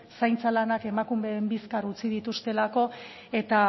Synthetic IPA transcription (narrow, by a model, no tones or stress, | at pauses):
sajnt͡salanake̞makumeːmbiskarut͡sið̞it̪ust̪e̞lako̞ | e̞t̪a